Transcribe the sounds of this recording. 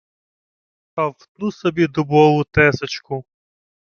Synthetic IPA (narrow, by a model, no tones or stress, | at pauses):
ɐwt̪nusɔbʲid̪ʊbɔlˠʊt̪ɛsɐt͡ʃkʊ